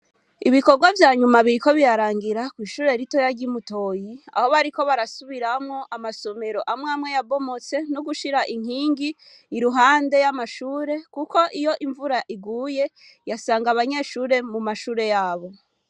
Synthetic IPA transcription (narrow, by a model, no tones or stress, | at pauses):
iβiko̞ɡwavjaːɲumaβiɾiko̞βiɾaɾaːŋɡiɾakwiːʃuːɾe̞ɾito̞jaɾɟimuto̞ːjia̰ho̞βaɾiko̞βaɾasuβiɾamŋo̞ʔamaso̞me̞ɾo̞ʔamŋaːmwejabo̞mo̞t͡se̞noɡuʃiɾaʔiŋ̥iːŋɡiː | ɾuɦaːnde̞jamaʃuːɾe̞kuko̞ʔijo̞ʔiɱvuɾaʔiɡuːje̞ | jasaːŋɡaβaɲe̞ːʃuːɾe̞mumaʃuːɾe̞jaːβo̞